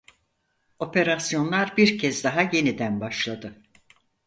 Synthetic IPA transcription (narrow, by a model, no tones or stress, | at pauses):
o̞pe̞ɾasjo̞nlˠaɾbiɾcʰɛzd̪aɦaje̞nid̪ænbaʃlˠad̪ɯ